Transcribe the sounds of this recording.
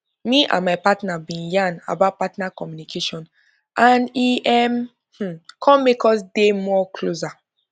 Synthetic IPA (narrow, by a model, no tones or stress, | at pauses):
miʔã̰nmaɪpatnabĩnjãna̰bat̚patnakɔmjunikʰeʃɔ̃n | ãniʔɛm | h̩kʰɔ̃mekɔsdemɔklosa